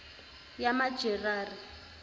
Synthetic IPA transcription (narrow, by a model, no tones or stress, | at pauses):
jamḁd͡ʒɛraːri